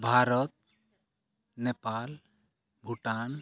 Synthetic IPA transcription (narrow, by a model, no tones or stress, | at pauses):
bʱaːɾɔt̪̚ | nepal | bʱuʈan